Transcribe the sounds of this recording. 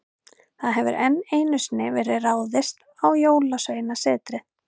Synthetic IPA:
θaðɦɛvʏ̰ɾʔɛnːeːjnʏsnɪvɛːɾɪraːwðɪst̪ | awjoːwlasœɥjɪnasɛːt̪ɾɪ

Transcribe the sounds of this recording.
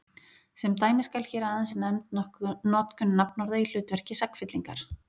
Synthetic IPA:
sɛmt̪aːjmɪskalçɛːɾaaːðansɪnɛmt̪nɔhnɔːt̪kʏnːapnɔɾðail̥ʏːt̪vɛr̥cɪsakfɪt̪liŋkaɾ̥

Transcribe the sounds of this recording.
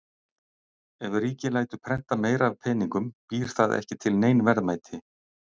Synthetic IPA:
ɛvɪriːcɪlaːjt̪ʏpʰɾɛn̥t̪ameːjɾavpʰɛniŋkʏmpiːɾ̥θaðɛ̰hcɪt̪ʰɪlneːjnvɛɾðmaːjt̪ʰɪ

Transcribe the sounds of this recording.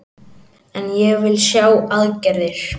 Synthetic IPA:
ɛnjɛɣvɪlsjaːwaðcɛɾðɪɾ̥

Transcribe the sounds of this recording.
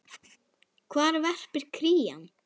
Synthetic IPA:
kʰvaːɾvɛr̥pɪɾ̥kʰɾiːja̰n

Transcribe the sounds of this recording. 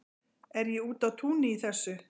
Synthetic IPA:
ɛɾjɛuːt̪awt̪ʰuːnɪiθɛsːʏ

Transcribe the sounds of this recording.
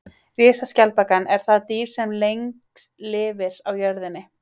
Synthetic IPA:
rjɛːsascalpakanɛɾ̥θaðt̪iːɾ̥sɛmlejŋkslɪːvɪɾawjœɾðɪnːɪ

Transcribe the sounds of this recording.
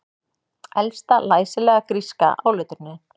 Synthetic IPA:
ɛlst̪alaːjsɪlɛːɣakɾiska̰ʔa̰ːwlœɥt̪ʏɾnːɪ

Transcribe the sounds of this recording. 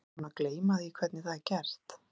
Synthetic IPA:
nːakleːjmaðɪikʰv̥ɛɾt̪nɪθaðcɛr̥t̪

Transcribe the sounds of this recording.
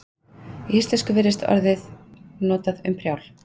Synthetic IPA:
iist̪ɛskʏvɪɾɪst̪ɔ̰ɾðɪðnɔːt̪aðʏmpʰɾjawl̥

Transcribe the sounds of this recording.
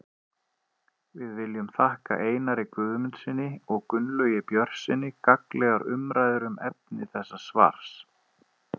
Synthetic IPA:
vɪðvɪljʏmθahka̰ʔeːjnaɾɪkʏːðʏmɪnt̪sɪnːɪɔɣkʏnlœːjɪpjœr̥sɪnːɪkaklɛɣaɾʏmɾaːjðʏɾʏmɛp̚nɪθɛsːasva̰ɾ̥s

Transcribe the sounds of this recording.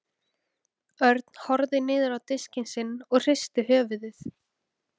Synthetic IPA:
œɾt̪n̥hɔɾðɪnɪːðʏɾawt̪ɪscɪnsɪnːɔɣr̥ɪst̪ʏɦœːvɪðɪθ

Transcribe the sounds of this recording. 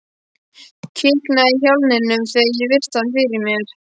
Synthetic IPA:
cʰɪknaiçawlnɪnːʏmθɛjɪvɪr̥st̪anfɪɾɪɾmjɛɾ̥

